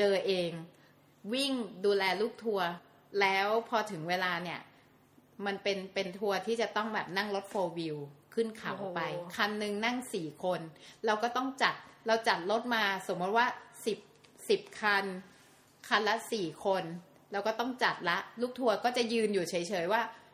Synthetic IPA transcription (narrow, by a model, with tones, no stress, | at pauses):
t͡ɕɤː˧ʔeː˧ŋ | wi˥˩ŋduː˧lɛː˧luː˥˩k̚t̪ʰu˧ɐ | lɛː˦˥wpʰɔ˧t̪ʰɯ˩˦ŋweː˧laː˧ni˥˩ɐ | ma˧npe˧npe˧nt̪ʰu˧ɐt̪ʰiː˥˩t͡ɕa˨˩t̪ɔ˥˩ŋbɛː˨˩p̚na˥˩ŋlo˦˥t̪̚foː˧wi˧wkʰɯ˥˩nkʰa˨˩˦wʔpa˧jkʰa˧nːɯ˧ŋna˥˩ŋsiː˨˩kʰo˧nla˧wkɔː˥˩t̪ɔ˥˩ŋt͡ɕa˨˩t̪̚ɾa˧wt͡ɕa˨˩t̪̚lo˦˥t̪̚maː˧so˩˦mu˦˥t̪̚waː˥˩si˨˩p̚si˨˩p̚kʰa˧n | kʰa˧nla˦˥siː˨˩kʰo˧n | lɛː˦˥wkɔː˥˩t̪ɔ˥˩ŋt͡ɕa˨˩t̪̚la˦˥ʔluː˥˩k̚t̪ʰu˧ɐkɔː˥˩t͡ɕa˨˩jɯː˧njuː˨˩t͡ɕʰɤ˩˦jt͡ɕʰɤː˨˩˦jwaː˥˩